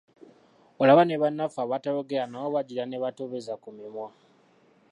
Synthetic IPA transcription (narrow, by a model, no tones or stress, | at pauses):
olaβaneβanːafaβataloɡeanaoβaɟilaneβatoβezakumimwa